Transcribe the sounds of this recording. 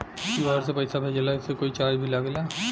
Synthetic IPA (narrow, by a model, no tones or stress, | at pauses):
iaːɾs̬epɐɪsabʱeːd͡ʒəlaɪsːekoːit͡ʃaːd͡ʒbʱilaɡla